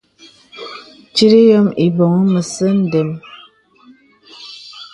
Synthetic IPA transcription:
t͡ʃi˦ɾi˦jɔ˦mi˨bo˨ŋə˦mə˨sə˦n̩˦de˨m

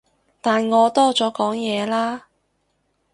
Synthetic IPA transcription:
t̪aː˨nŋɔː˨˧t̪ɔː˥t͡sɔː˨˥kɔː˨˥ŋjɛː˨˧laː˥

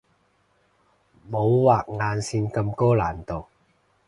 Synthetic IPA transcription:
mo˨˧˥wwaː˨k̚ŋaː˨nsiː˧nkɐ˧mkɔː˥laː˨˩nt̪o˨˩w

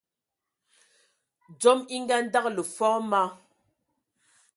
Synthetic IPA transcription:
d͡zɔ˦mi˦ŋ˦ɡa˦n˦da˦k̚lə˨fɔ˦ma˦

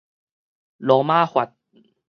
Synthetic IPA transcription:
lɔː˨˦maː˥˩˨xwa˨˩t̪̚

